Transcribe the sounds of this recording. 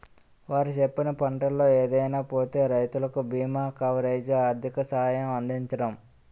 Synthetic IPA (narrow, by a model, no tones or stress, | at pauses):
ʋaːɾit͡ʃepːinɐpɐɳʈɐlːo̞ːeːd̪ɐjnaːpo̞ːt̪e̞ːɾɐjt̪ulɐkubiːmaːkɐʋɾeːd͡ʒaːɾd̪ʰʱikɐsɐɦaːjɐmɐnd̪iɲt͡ʃɐɽɐm